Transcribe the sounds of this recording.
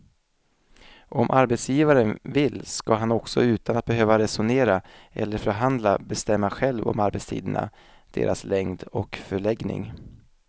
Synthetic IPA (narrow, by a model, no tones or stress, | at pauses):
ʔɔmʔaɾbɛt̪sjiːvaɾənvɪlːskaɦanɔksɔ̰ʉ̟ːt̪anat̪̚bɛɦøːvaɾɛsʊneːɾaɛ̰lːəɾfœɾɦand̪labɛst̪ɛmːaɧɛlvɔ̰maɾbɛt̪st̪ʰḭːd̪əna̰ | d̪̥ḛːɾʔaslɛŋd̪ɔkfœɭɛɡnɪ̰ŋ